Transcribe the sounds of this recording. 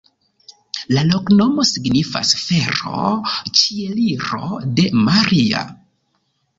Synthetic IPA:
lalo̞kno̞mo̞siɡnifa̰sfe̞ɾo̞̰t͡ʃieliɾo̞̰de̞maɾia̰

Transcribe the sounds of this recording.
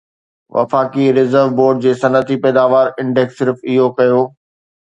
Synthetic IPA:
ʋɐ̰faːkiɾɪzəɾʋboːɾɖ̚d͡ʑeːsɐnət̪ipɛːd̪aːʋaːɾɪ̃ɳɖɛksːɪɾfɪɦokɐjoː

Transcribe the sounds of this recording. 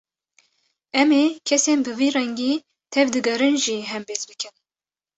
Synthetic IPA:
ɛmeːkʰɛseːnbɨviːɾɛŋɡiː | t̪ʰɛvd̪ɨɡɛɾɨnʒiːɦɛmbeːzbɨkʰɨn

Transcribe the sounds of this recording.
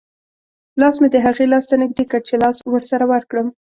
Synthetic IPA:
lɑsmed̪əɦaɣelɑst̪anɪɡ̚d̪ekəɽt͡ʃelɑswəɾsaɾawaɾkɽəm

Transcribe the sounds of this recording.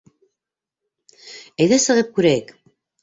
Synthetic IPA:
æjðæsɤ̆ʁɤp̚kʉɾæjɘk

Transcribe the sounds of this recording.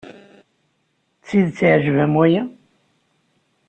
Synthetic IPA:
t͡sːiðt͡sːʕʒəvæmwæjæ

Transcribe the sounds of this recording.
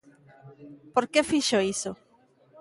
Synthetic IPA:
poɾkefiʃoiso

